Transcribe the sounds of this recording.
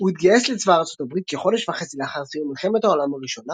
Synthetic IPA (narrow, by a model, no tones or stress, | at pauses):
uhit̪ɡajeslet͡svaʁt͡so̞t̪abʁit̪̚keχo̞deʃvaχet͡sileaχaʁsijumilχeme̞thao̞lamaʁiʃo̞na